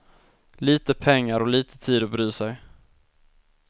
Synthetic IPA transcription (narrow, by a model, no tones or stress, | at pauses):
liːt̪əpʰɛŋːaɾɔliːt̪ʰə̥t̪ʰiːd̪ɔbɾyːsɛj